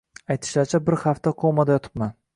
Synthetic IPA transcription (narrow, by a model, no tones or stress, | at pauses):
ajt̪ʰɪ̥ʃlaɾt͡ʃʰabɪɾhaft̪ʰaqʰomad̪ajɒt̪ʰɪ̥pman